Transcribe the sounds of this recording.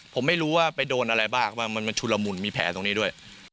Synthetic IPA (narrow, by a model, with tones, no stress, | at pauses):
pʰo˩˦ma˥˩jɾuː˦˥waː˥˩pa˧jdoː˧nʔa˧ɾa˧jbaː˥˩k̚waː˥˩ma˧nma˧nt͡ɕʰu˧la˧mu˧˩nmiː˧pʰɛː˩˦t̪o˧ŋniː˦˥du˥˩əj